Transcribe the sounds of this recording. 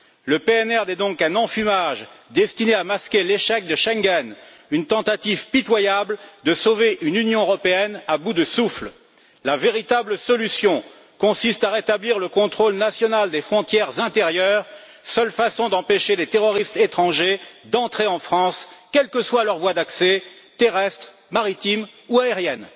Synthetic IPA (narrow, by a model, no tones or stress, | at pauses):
ləpeɛnɛʁd̪ɛd̪ɔ̃kɛ̃nɑ̃fymaʒd̪ɛst̪ineamaskʲeleʃɛk̚d̪əʃɛ̃ŋɡʲɛn | ynt̪ɑ̃t̪at̪ivpit̪wajabld̪əsoveʔynynjɔ̃øʁɔpeɛnabud̪əsufl | laveʁit̪abləsɔlysjɔ̃ | kɔ̃sist̪aʁet̪abliʁləkɔ̃t̪χolnasjɔnald̪efχɔ̃t̪jɛʁzɛ̃t̪eʁjœːʁ | sœlfasɔ̃d̪ɑ̃peʃelet̪eʁɔʁist̪et̪χɑ̃ʒed̪ɑ̃t̪χeɑ̃fχɑ̃skʲɛlkəswalœʁvwad̪aksɛt̪eʁɛst̪χ | maʁit̪imuaeʁjɛn